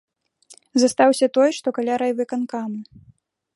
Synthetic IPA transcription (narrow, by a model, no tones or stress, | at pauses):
zast̪awsʲɐt̪ɔjʂt̪ɔkalʲaɾɐjvɨkankamu